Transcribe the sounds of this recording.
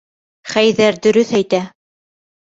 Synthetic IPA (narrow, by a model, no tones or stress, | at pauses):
χæjðæɾd̪ɵ̆ɾɵθæjt̪æ